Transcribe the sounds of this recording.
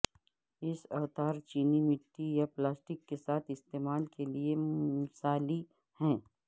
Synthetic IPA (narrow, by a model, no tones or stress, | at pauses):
ɪsɐt̪aːɾt͡ʃiːnimɪʈːijaplaːsʈɪkːesaːt̪ʰɪst̪eːmaːlkelieʊsaːli | hɛ̃ː